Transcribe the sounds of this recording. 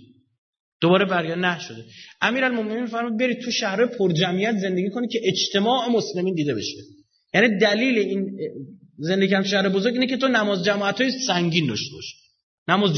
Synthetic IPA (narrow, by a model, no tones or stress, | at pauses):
d̪̥obɒːɾe̞bæɾjænæʃod̪eʔæmiːɾælmome̞ninmifæɾmuːd̪̚be̞ɾiːd̪̚t̪ʰuʃæhɾɒːjepʰoɾd͡ʒæmijæt̪ʰze̞nd̪e̞ɟʲiːkʰo̞nikcʰe̞ʔet͡ʃt̪ʰe̞mɒːʔe̞mosle̞miːnd̪iːd̪e̞be̞ʃe | jæniːd̪æliːlein | ze̞nd̪ekiæmeʃæhɾebozoɾɡɟʲiːnecʰe̞t̪ʰonæmɒːzd͡ʒæmɒːæt̪ʰɒːjissæŋɟind̪ɒ̰ʃt̪e̞bɒ̰ʃi̥ | næmɒːz